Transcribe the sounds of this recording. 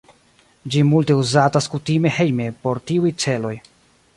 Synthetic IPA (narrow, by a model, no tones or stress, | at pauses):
d͡ʒimulte̞uzataskutime̞he̞jme̞po̞ɾtiujt͡se̞lo̞j